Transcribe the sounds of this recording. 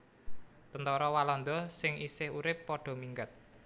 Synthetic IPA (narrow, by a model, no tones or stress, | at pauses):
t̪ənt̪ɔɾɔwalɔnd̪ɔsɪŋisɪhuɾɪpːɔɖ̥ɔ̤miŋɡət̪̚